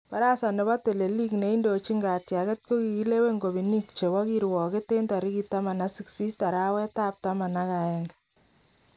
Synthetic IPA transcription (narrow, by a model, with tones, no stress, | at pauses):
pa˦ɾa˦sa˨ne˨βa˦te˨le˨li˦kne˨i˦ndo˨t͡ʃi˦ŋɡa˨tja˨kɛ˦t̚ko˦ki˨ki˦le˦we˦ŋɡo˨bi˨ni˦k̚t͡ʃe˨wɔ˦ki˦ɾwɔ˨ke˦te˦nta˨ɾi˦ki˦ta˦ma˨na˦sɪ˦ksi˦sta˨ɾa˦wɛ˦ta˦p̚ta˦ma˨na˦ka˨ɛ˨ŋɡḁ